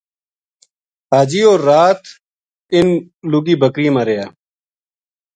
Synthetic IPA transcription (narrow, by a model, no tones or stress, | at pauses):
ɦaːd͡ʒiːoːɾːaːt̪ | ɪn | lʊɡiːbəkɾiːmãːɾejaː